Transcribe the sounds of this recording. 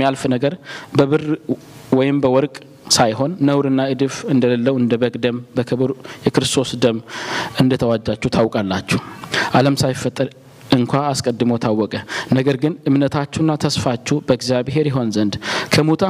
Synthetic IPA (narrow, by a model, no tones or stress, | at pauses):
ijalfnəɡəɾbəβɨr | wɔjɪmbəwɔɾkʼ | sajɦo̞nːəwɾɨnːaɨd̪ɨfɨnd̪ələlːəwɨnd̪əβəɡʼd̪əmbəkʰɨβɨɾjɛkɾɨst̪ʰo̞sd̪əmɨnd̪ət̪ʰəwad͡ʒːat͡ʃːut̪ʰawkʼalːat͡ʃːuʔaləmsajɪfːət̪ʼːəɾ | ɨŋkʷaːskʼəd̪ːɨməwt̪ʰawːɔkʼənəɡəɾɡɨnʔɨmnət̪ʰat͡ʃːunːat̪ʰəsfat͡ʃːubəɨɡzjaβɦe̞ɾjɛɦo̞nzənd̪kʰəmut̪ʰa